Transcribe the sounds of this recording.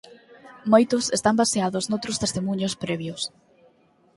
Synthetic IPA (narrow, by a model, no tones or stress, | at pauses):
mojt̪ʊsest̪ambaseaðʊznowt̪ɾʊst̪est̪emũɲospɾɛβjʊs